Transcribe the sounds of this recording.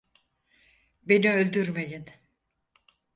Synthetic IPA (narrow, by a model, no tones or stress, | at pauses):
be̞niølʲd̪yɾme̞jin